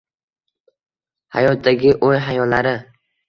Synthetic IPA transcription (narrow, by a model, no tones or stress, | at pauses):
ha̰jɒt̪̚d̪aɡʲɪʔojɦajɒllːaɾɪ